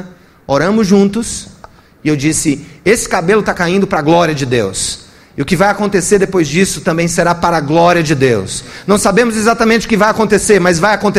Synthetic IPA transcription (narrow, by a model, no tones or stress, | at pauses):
oɾɐ̃mʊzʒũnt̪ʊs | ɪewd͡ʒisɪesɪ̥kabelʊt̪akaĩnd̪ʊpɾɐaɡlɔɾiɐd͡ʒɪd̪ḛws | ɪʊkɪvajakõnt̪eseɾd̪epojzd͡ʒisʊt̪ɐ̃mbẽj̃seɾapaɾɐaɡlɔɾiɐd͡ʒɪd̪ewsnɐ̃w̃sabẽmʊzezat̪amẽnt͡ʃɪʊkɪvajakõnt̪eseɾmɐzvajakõnt̪